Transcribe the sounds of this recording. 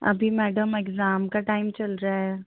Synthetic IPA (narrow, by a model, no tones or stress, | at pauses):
ɐ̰bʱimɛːɖəmekzaːmkaʈaːɪmt͡ʃɐlɾaɦɛ